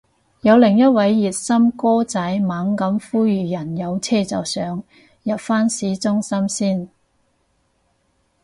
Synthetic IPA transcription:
jɐ˨˧wlɪ˨˩ŋjɐ˥t̚wɐ˨˥jːiː˨˩t̚sɐ˥mkɔː˥t͡sɐ˨˥jmaː˨˥ŋkɐ˨˥mfuː˥jyː˨˩jɐ˨˩njɐ˨˧wt͡sʰɛː˥t͡sɐ˨wsœː˨˥ŋ | jɐ˨p̚faː˥nsiː˨˥t͡sʊ˥ŋsɐ˥msiː˥˩n

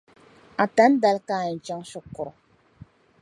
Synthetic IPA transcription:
a˨ta˨˦n˦da˨lkaː˦˨t͡ʃa˦ŋsʊ˦kʊ˨ɾʊ˨

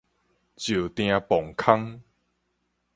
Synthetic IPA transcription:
t͡ɕu˨˩t̪j̃ã˧pɔ˨˩ŋkʰa˦ŋ

